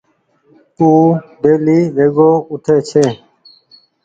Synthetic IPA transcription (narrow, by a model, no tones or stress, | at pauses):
ũːɖeːliːʋʱeːɡoːʊʈʰeːt͡ʃʰeː